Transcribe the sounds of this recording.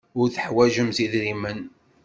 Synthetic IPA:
ʊɾθəħwæʒəmziðɾimən

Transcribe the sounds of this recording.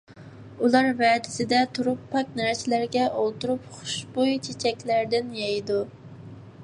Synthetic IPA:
ulˠɑɾvɛːd̪ɪsɪd̪ɛt̪ʰuɾupʰːɑk̚ʲnæɾsɪlæɾɡʲɛʔolˠt̪uɾupχʊ̥ʃbujt͡ʃʰet͡ʃʰɛkʲlæɾd̪ɪnjɑjd̪u

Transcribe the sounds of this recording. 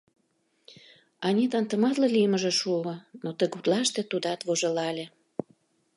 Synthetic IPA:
ɑnʲit̪ɑnt̪ə̆mɑt̪lɑlijməʒĕʃuənot̪əɣut̪lɑʃt̪et̪ud̪ɑt̪βoʒelɑlʲe

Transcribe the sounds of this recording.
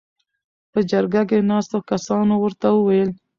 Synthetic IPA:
pəd͡ʒaɾɡak̬enɑst̪okasɑnowəɾt̪awəwajəl

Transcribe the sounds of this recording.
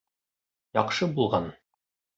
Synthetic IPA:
jɒqʃɤbulˠʁɑn

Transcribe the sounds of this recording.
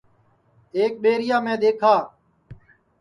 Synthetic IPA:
eːk̚ɓeːɾɪjaːmẽːd̪eːkʰaː

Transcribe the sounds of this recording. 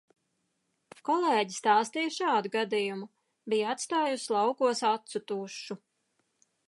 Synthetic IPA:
kɔlˠeːɟist̪aːst̪ijʃaːd̪uɡad̪ijumu | bijat̪st̪aːjuslˠɑwkuɔsat̪sut̪uʃu

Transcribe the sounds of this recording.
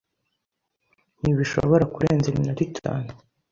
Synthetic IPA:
niβiʃo̰βoɾakuɾeːnzeminoɾitʰa̰ːnu

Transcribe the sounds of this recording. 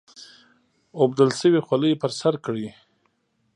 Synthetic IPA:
ob̚d̪əlsəwixwaləjpəɾsaɾkɽi

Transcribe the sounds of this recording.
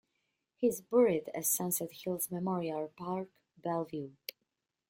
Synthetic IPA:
hɪzbɹɪdɨz̥sãnsɛthilˠzmɛmɔɹialˠpaɹk | bɛlˠvju

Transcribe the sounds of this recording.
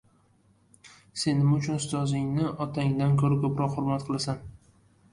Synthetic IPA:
se̞nɪmʊt͡ʃʰʊnʊst̪ɒzɪŋnɪʔɒt̪ʰaŋd̪ankʲʰɵɾakʰopɾɒqhʊɾmat̪qʰɨlˠasan

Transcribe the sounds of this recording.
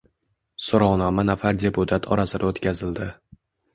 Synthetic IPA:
soɾɒwnɒmanafaɾd̪ʲe̞put̪ʰat̪ʰɒɾasɪd̪aot̪kʲʰazɪld̪ɪ

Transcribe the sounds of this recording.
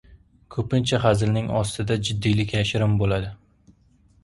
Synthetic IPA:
kʰɵpɪnt͡ʃʰaχazlnɪŋɒst̪ʰɪd̪ad͡ʒɪd̪ːijlɪkʲjaʃɪɾɪmbolad̪ɪ

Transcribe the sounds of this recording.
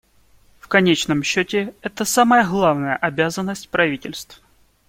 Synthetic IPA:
fkɐnʲet͡ɕnəmɕːotʲɪɛt̪əsaməjəɣlˠavnəjəʔɐbʲazənːəsʲtʲpɾɐvʲitʲɪlʲst̪f

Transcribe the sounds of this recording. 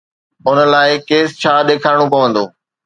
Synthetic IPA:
ʊnə̆laːɪkeːst͡ɕʰaːɗeːkʰaːɪɽ̃õpɐʋə̃nd̪oː

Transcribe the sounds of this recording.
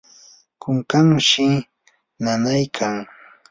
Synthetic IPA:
kʊŋkaŋʃɪ | nanajkʰaŋ

